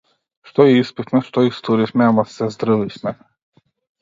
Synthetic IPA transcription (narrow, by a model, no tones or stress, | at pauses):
ʃt̪ɔiispit̪mɛʃt̪ɔist̪uɾisʲmɛamasɛzd̪ɾɨvisʲmɛ